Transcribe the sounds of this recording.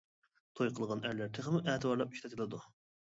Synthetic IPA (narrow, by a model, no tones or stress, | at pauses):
t̪ʰojqʰəlˠʁɑnæɾlæɾt̪ʰɪχmɪʔɛːt̪ʰɨwɑɾlˠɑp̚y̥ʃt̪ʰɛt̪ʰlˠɨd̪u